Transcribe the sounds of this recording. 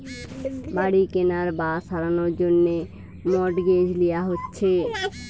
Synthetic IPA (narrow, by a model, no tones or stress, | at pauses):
baɽikenaɾbaʃaɾanoɾd͡ʑonːe | mɔʈɡed͡ʑlijaɦotːɕʰe